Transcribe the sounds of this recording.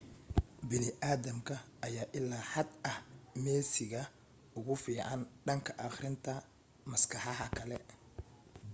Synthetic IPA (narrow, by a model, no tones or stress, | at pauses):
bɪnɪʔaːðɐmkʰɐʔɐjaːʔɪlːaːħɑd̪ɐhmɛːsɪɣɐ | ʊɣʊfiːʕɑnɖɐŋkʰɐʔɑχɾɪnt̪ʰɐ | mɐskʰɑħɑɦɐkʰɐlɛ̰